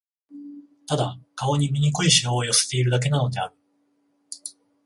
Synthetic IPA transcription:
t̪ad̪akao̞ɲ̟imʲiɲ̟ikoiɕinoːjo̞se̥t̪e̞iɾɯ̟d̪ak̬e̞nano̞d̪e̞aɾɯ̟

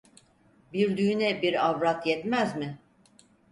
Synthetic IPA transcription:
biɾd̪yːnɛbiɾavɾat̪jɛt̪mæzmɪ

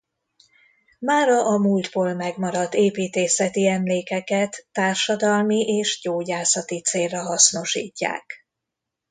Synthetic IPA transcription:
maːɾɒʔɒmuld̪boːlmɛɡmɒɾɒd̪eːpiːt̪eːsɛt̪iɛmleːkɛkɛt̪ːaːrʃɒd̪ɒlmiʔeːʃɟoːɟaːsɒt̪it̪seːlːɛɦɒsno̞ʃḭːcːa̰ːk

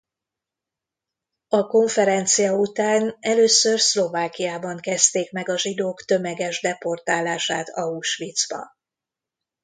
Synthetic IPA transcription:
ɒko̞ɱfɛɾɛnt̪sijɒut̪aːnɛløːsørslo̞vaːkijaːbɒŋkɛst̪eːkmɛɡɒʒid̪oːkt̪ø̞mɛɡɛʒd̪ɛpo̞rt̪aːlaːʃaːt̪ɒuʃʋit̪zbɒ̰

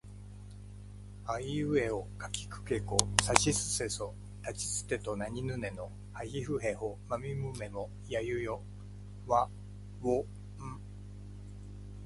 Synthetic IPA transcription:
aiɯ̟e̞okakʲi̥kɯ̟̥ke̞kosaɕisɨ̥se̞so̞ | t̪at͡ɕi̥sɨ̥t̪e̞t̪o̞naɲ̟inɯ̟ne̞no̞ | haɡʲiɸɯ̟ɦe̞homamʲimɯ̟me̞mo | jajɯ̟jo | βa | βo | ɯ̃

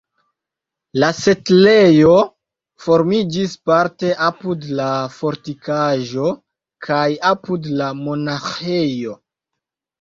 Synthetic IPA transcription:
lase̞tle̞jo̞ | fo̞ɾmid͡ʒispaɾte̞ʔapudlafo̞ɾtikaʒo̞ | kʰajapudlamo̞naxejo̞

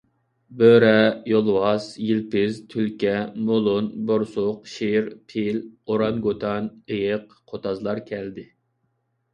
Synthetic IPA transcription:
bøɾɛjolˠwɑsjilpɪzt̪ʰylkʲɛmolˠʊnboɾsʊqʃiɾpʰiloɾɑnɡot̪ʰɑnejəq | qʰot̪ɑzlˠɑɾkʲʰɛld̪ɪ

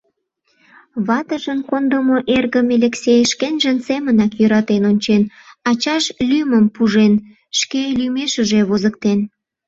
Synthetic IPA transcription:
βɑt̪əʒənkond̪əmoʔerɣəmelʲeksʲejʃkenʒənsemənɑkjøɾɑt̪enonʲt͡ɕen | ɑt͡ɕɑʃlyməmpuʒen | ʃkelymeʃəʒeβozək̚t̪en

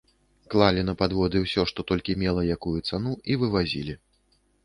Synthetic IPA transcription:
klˠalʲinɐpad̪vɔd̪ɨwsʲɔʂt̪ɔt̪ɔlʲkʲimʲɛlˠɐjakujut̪sanuivɨvazʲḭlʲi

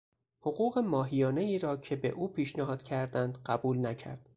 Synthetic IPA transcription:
hoɣuːɣe̞mɒːɦijɒːne̞iːɾɒːcʰe̞be̞̰ʔuːpʰiːʃnehɒːd̪̥cʰæɾd̪ænd̪ɢæbuːlnæcʰæ̰ɾd̪̥

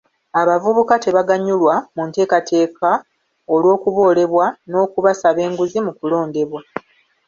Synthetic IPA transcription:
aβavuβukate̞βaɡaɲulwamunte̞ːkatʰe̞ːka | olwo̞ːkuβo̞ːle̞βwano̞ːkuβasaβe̞ːŋɡuzimukulo̞ːnde̞βwa

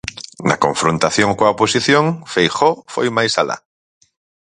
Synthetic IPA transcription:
na̰kõɱfɾont̪aθjõŋkoaoposiθjõŋfejxofo̰jmajsala̰

